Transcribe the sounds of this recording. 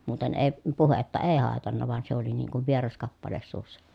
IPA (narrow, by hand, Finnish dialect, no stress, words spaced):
muːten eˑi̯ puhetːɑ eˑi̯ hɑˑetɑnːɑ ʋɑn se oli niːŋ kuʋ ʋierɑs kɑpːɑles suːsːɑ